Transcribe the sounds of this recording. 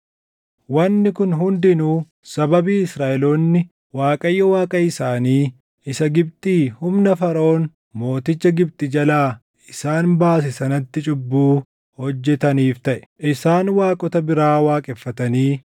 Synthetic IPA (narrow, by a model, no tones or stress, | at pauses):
wɐnːɪkʊnɦʊnd̪ɪnuː | sɐbɐbiːɪsɾaːʔɛloːnːɪ | waːkʼɐjːɐwaːkʼɐɪsaːniː | ɪsɐɡɪb̚t̪ʼiːhʊmnɐfɐɾo̞ːn | mo̞ːt̪ɪt͡ʃːɐɡɪbt̪ʼɪd͡ʒɐlaː | ɪsaːnbaːs̬ɪsɐnɐt̪ːɪt͡ʃʼʊbːuː | hɔd͡ʒːɛt̪ɐniːft̪ɐʔɛ̥ʔɪsaːnwaːkʼɔt̪ɐbɪɾaːwaːkʼɛfːɐt̪ɐniː